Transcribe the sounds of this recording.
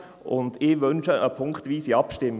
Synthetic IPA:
ʔʊ̰ndɪvʏnʃəʔəpʰʊŋktviːsiːɑpʃtɪmːə

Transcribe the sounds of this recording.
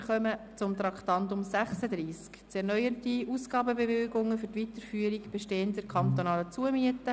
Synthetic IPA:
χœmə | t͡sʊmt̪ɾɑkt̪ɑntʊmsæχsədɾiːskt͡sɛɾnœʏəntiuːsɡ̥ɑːbəbevɪlɡʊŋːəfʏɾtʋitəɾfyːəɾikb̥eʃteːəntd̥ɛɾkʰɑnt̪onɑːlət͡suəmiətə

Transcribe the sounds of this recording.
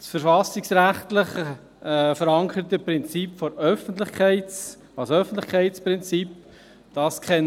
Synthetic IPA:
sfəɾfɑsɪksɾæχt̪lɪχ | ɛfəɾɑŋkəɾət̪əpɾɪnt͡sipfoɾœfəntlɪχkʰæɪt | ɑlsoœfən̩tlɪχkʰæɪtspɾɪnt͡sip | d̥ɑskχɛn

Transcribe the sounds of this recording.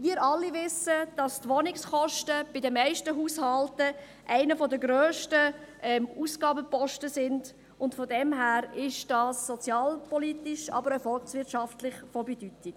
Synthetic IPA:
miːɾʔɑlːivɪsəd̥ɑstʋɔnɪkskɔʃtəb̥ɪdəmæɪʃtəɦuːshɑltə | ʔæɪnəfɔdəɡɾøːʃtə | ʔɛmuːsɡ̥ɑːbəpɔʃtəsɪnd | ʊntfɔdɛmɦæːɾɪʃd̥ɑːsːɔt͡sjɑːlpɔlitiʃɑ̰ːbəɾəfɔlsʋɪtʃɑftlɪχfɔbɛdytɪk

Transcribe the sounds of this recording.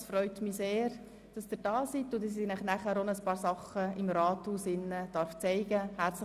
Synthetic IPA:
sfɾœʏtmiseːɾ | d̥ɑsd̥ɪɾd̥ɑːsit̪ːʊdɑsinæχnæχæːɾonəspɑːɾsɑχəɪmɾɑːthuːsɪnːəd̥ɑɾft͡sɛɪɡ̥əhæɾt͡s

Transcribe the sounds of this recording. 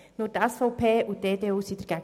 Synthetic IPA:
nʊːɾtɛsfɔʊpʰeːʊtdeːdeːuːsid̥əɾɡ̥æɡ

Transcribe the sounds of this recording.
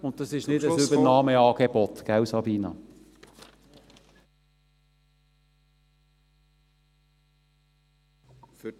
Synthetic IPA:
ʊnt̚tɑsɪʃnɪdəsybənɑːməɑːɡ̥ebɔt̪ɡ̥awsɑbiːnɑ̰

